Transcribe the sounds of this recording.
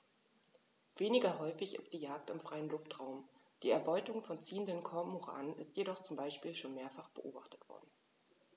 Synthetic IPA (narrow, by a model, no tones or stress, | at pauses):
v̥eːnɪɡɐɦɔʏfɪçɪ̰st̚d̥iːjaːk̚tɪmfʁ̥aɪənlʊftʁ̥aʊm | d̥iːɛɐbɔʏtʊŋfɔnt͡siːəndənkʰɔɐmoʁa̰ːnənɪstjedɔχt͡sʊmbaɪʃpiːlʃoːnmeːɐfaχb̥əʔo̰ːba̰χtə̥tv̥ɔ̰ɐdn̩